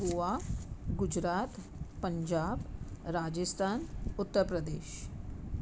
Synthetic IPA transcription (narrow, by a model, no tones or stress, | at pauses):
ɦuaɡʊd͡ʒɾaːt̪ | pə̃ɲd͡ʒaːbɾaːd͡ʒəst̪ʰaːnʊt̪ːəɾpɾəd̪eːʃ